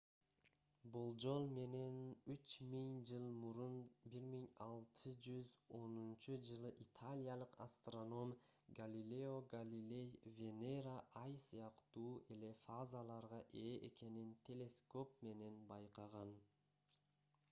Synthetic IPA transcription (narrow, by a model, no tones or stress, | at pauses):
bolˠd͡ʒo̞lˠme̞ne̞nyt͡ʃmiŋd͡ʒɯlˠmuɾunbiɾmiŋɑlˠt̪ʰɯd͡ʒyzo̞nunt͡ʃud͡ʒɯlˠɯʔit̪ʰalʲijalˠɯqast̪ro̞no̞mɡalʲilʲeo̞ɡalʲilʲe̞jvʲe̞neɾaʔɑjsɯjɑqt̪uːʔe̞le̞fazalˠɑɾʁɑʔeːʔeke̞nint̪ʰe̞lʲe̞sko̞p̚me̞ne̞nbɑjqɑʁɑn